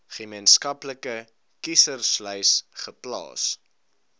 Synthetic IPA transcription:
χəmenskɐpləkə | kisərslœɥsχəplɑ̰ːs

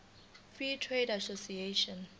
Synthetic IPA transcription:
fɹitʰɹedasosieʃɔ̃n

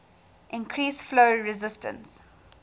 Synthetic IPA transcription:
ʔɪ̃nkʰɾiːsfloːɹɪzɪstə̰̃ns

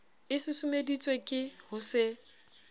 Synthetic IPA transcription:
ɪsɪsʊmedit͡sʼwekʼɪhʊsɪ

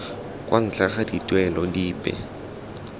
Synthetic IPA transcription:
kʼwʔan̩t͡ɬʰaχaditʼwɛlɔdiːpʼɛ̰

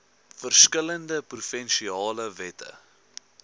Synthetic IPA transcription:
fərskələndəprufɛnʃiɑːləvɛtə̰

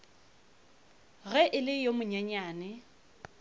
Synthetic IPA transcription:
ɣɛʔɪlɪjomʊɲɛɲaːnɪ

